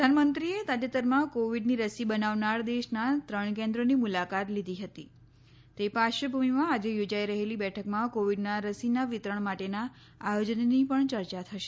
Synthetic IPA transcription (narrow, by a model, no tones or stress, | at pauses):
əd̪ʱanmənt̪ɾiet̪ad͡ʒət̪əɾmãkoʋiɖniɾəsibənaʋnaɾd̪eʃnat̪ɾəɳk̬ẽnd̪ɾonimulakat̪lid̪ʱiɦət̪i | t̪epaʃəbʱumimãːd͡ʒejod͡ʒaiɾəɦelibɛʈʰəkmãkoʋiɖnaɾəsinaʋɪt̪ɾəɳ̃maʈena | ajod͡ʒənnipəɳt͡ʃəɾt͡ʃat̪ʰəʃe̥